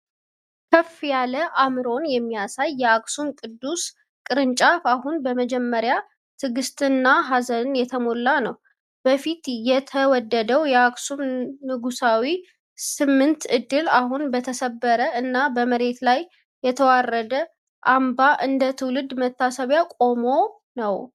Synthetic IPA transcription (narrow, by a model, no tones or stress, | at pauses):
kʰəfjaləʔamɨɾo̞njɛmːijasajːɛaksumkʼɨd̪ːus | kʼɨɾɨnt͡ʃʼafahunbəməd͡ʒɛmːəɾja | t̪ʰɨɡɨst̪ʼɨnːaɦazənɨnjɛt̪ʰəmolːanəw | b̥əfit̪jɛt̪ʰəwɔd̪ːəd̪əwjɛaksumːɨɡusawi | sɨmːɨnt̪ɨd̪ːɨlaɦunbət̪ʰəsəbːəɾəɨnːabəməɾe̞t̪laj | jɛt̪ʰəwarːəd̪ə | ʔambaʔɨnd̪ət̪ʰɨwlɨd̪mət̪ːasəβjakʼo̞mo̞ | nəw